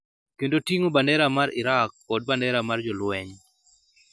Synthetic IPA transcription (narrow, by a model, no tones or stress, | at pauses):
kendotiŋobandɛɾamaɾʔiɾak̚ | ɔd̚bandɛɾamard͡ʒɔlwɛɲ